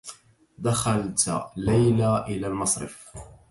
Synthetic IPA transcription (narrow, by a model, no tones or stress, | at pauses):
d̪axalt̪lajlaʔɪlaːlmɑsˤɾɪ̰f